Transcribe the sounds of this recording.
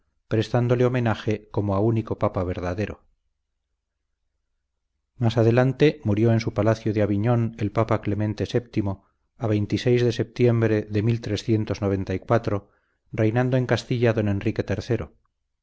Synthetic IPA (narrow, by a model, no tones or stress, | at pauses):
pɾe̞st̪and̪o̞leo̞mẽ̞naxe̞ko̞moauniko̞papaβe̞ɾðaðe̞ɾo̞̰ | masað̞e̞lant̪e̞muɾjo̞e̞nsupalaθjoðeaβiɲo̞ne̞lpapakle̞mẽ̞nt̪e̞se̞p̚t̪imo̞ | aβ̞e̞jnt̪ise̞jzðe̞se̞p̚t̪je̞mbɾe̞ðemilt̪ɾe̞sθje̞nt̪o̞zno̞β̞e̞nt̪aikwat̪ɾo̞ | re̞jnãnd̪o̞e̞ŋkast̪iʎaðo̞ne̞nrike̞t̪e̞ɾθe̞ɾo̞̰